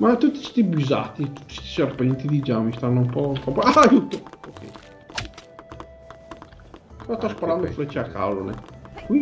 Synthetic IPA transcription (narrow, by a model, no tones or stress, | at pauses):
mat̪ut̪ːi̥si̥t̪ibiza̰t̪it̪u̥t̪ːi̥st̪i̥serpɛnt̪id̪id͡ʒamist̪anːoumpɔt̪ɔpoaːjuːt̪ookɛ̰j | pɛɾɔst̪ɔspaɾand̪ofɾet͡ʃːeakːa̰lːo̰nḛkwi